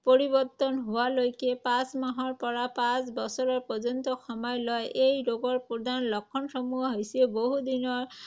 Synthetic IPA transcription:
poɹibɔt̪ɔnɦowalojkepãsmaɦɔɹpɔɹapãsbɔsɔɹɔɹpɔzɔnt̪ɔxɔmɔjlɔjʔejɾoɡɔɹpod̪ʱanlɔkʰːɔnʃɔmuɦɔɦojseboɦud̪inɔɹ

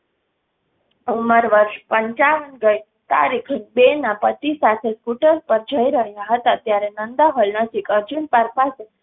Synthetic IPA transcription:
uməɾʋəɾʃpəɲt͡ʃaʋənɡəj | t̪a̰ɾikʰnbenapət̪isat̪ʰeskuʈəɾpəɾd͡ʒʱəiɾəɦjaɦət̪at̪jaɾenənd̪aɦolnəʃikəɾd͡ʒunpəɾpase

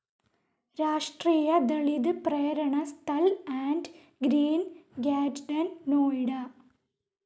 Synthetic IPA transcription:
ɾaːʂʈriːjɐd̪eɭid̪ɨprejɐɾɐɳɐst̪ʰɐlaːɳɖ | ɡɾiːnɡaːd͡ʒɖɐnːoːjɽɐ

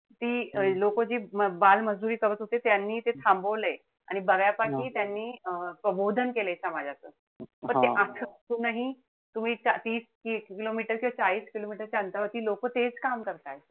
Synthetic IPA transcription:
t̪iːlokod͡ʑiːməbalməd͡zd̪uɾiːkəbət̪ɦot̪et̪janːiːt̪et̪ʰambəʋləe | aɽ̃ibəɡjapakiːt̪janːiːpɾəbod̪ʱənkelajt͡ɕamad͡ʑʱat͡səː | pəɳt̪eʔat̪ʰət̪uːnaɦi | t̪um̤iːt͡sat̪iːskikilomiʈəɾkĩʋat͡saɭiːskilomiʈəɾt͡ɕaənt̪aʋət̪iːlokot̪et͡skamkəɾt̪aj

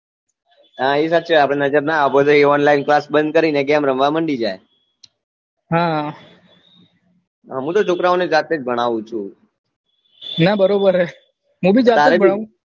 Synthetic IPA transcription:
aesaʃʰeapɽ̃enəd͡ʒəɾnaabod̪eɔnlainklasbənd̪̚kəɾineɡamɾəmʋaməɳɖid͡ʒaj | ɦãa | aɦũt̪ot͡ʃʰokɾaoned͡ʒɾat̪ed͡ʒbʱəɽ̃aʋũt͡ʃʰũ | nabəɾobəɾɦɛ | ɦũbʱid͡ʒɾat̪aɾebəɽaũ

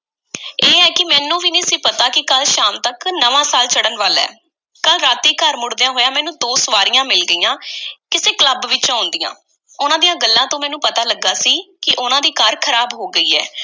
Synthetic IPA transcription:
eːɛːkɪmɛːnũːʋiːnĩːsĩːpət̪aːkɪkəlʃaːmt̪əknəʋãːsaːlt͡ʃəɽənʋəlɛ̰ː | kəlɾaːt̪iːkəɾmʊɽd̪ejãːɦoːjãːmɛ̃ːnũːt̪oːsʋaːɾɪjãːmɪlɡəiːãːkɪseːkləbʋɪt͡ʃãːʊ̃nd̪ijã̰ː | ʊnãːd̪ijãːɡəlːãːt̪õːmɛːnũːpət̪aːləɡːaːsiːkɪʔʊnãːd̪iːkaːɾkʰəɾaːbɦoːɡəiːɛ̰ː

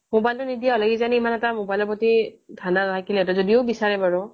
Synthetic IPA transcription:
mobajltʊnidiaɔlaɡizaniimanɛtamobajlɔɹpɔtitʰanantʰakilɛɛtɔzodiʊbisaɹɛbaɹʊ

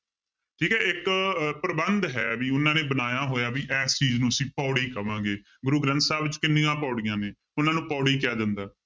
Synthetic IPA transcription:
ʈʰiːkɛːɪkpɾəbənd̪ɦɛ̰ːbiːʊnãːneːbənaːjaːɦoːjaːbiːʔɛːst͡ʃiːznũːəsĩːpɔːɽiːkəʋãːɡeː | ɡʊɾuːɡɾə̃nt̪saːbt͡ʃkɪnːɪjãːpɔːɽɪjãːneː | ʊnãːnũːpɔːɽiːkɪaːd̪ɪnd̪aː

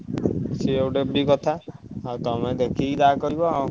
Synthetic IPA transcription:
seewɖebikɔt̪ʰat̪ɔmɛ̃d̪ekʰid̪akɔɾibɔ

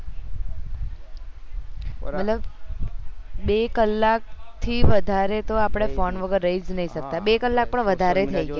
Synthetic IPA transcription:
mət̪ləb | bekəlːak̚t̪ʰiʋəd̪ʱaɾet̪oapɽ̃efɔnʋəɡəɾːəɦid͡ʒnəɦiʃək̚t̪abekəlːak̚pəɳʋəd̪ʱaɾet̪ʰəiɡe

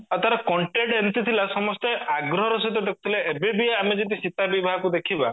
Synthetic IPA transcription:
at̪aɾɔkɔɳʈeɖent̪it̪ʰilasɔmɔst̪eaɡɾɔɦɔɾɔsit̪ɔd̪ekʰu̥t̪ʰileebebiaamed͡ʒit̪isit̪abibaɦɔkud̪ekʰiba̰

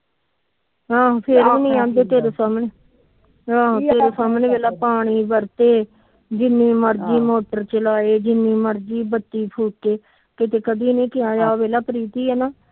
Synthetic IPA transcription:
ɦãːpʰɪɾiːniːãːnd̪eːt̪eːɾoːsaːmneː | ɦãːɦt̪eːɾoːsaːmneːʋeːlaːpaːɽ̃iːbəɾt̪eː | d͡ʒɪnːĩːməɾd͡ʒiːmoːʈəɾt͡ʃəlaːeːd͡ʒɪnːĩːməɾd͡ʒiːbət̪ːiːpʰuːkeː | kɪt̪eːkəd̪iːnĩːkɪãːd͡ʒaːoʋeːlaːpəɾiːt̪iːɛːnaː

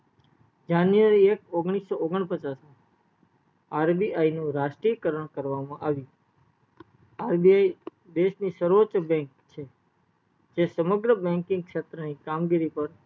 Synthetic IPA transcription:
d͡ʒanjʋaɾiekoɡɳ̃isːooɡəɳpət͡ʃasã | aɾbiʔainũɾaʃʈɾijəkəɾəɳkəɾʋamãʔaʋjũ | aɾbiai | d̪eʃnisəɾʋot͡ʃbɛ̃ŋkt͡ʃʰe | d͡ʒesəməɡɾəbɛ̃ŋkɪ̃ŋɡ̚kʃet̪ɾənikamɡiɾipəɾ

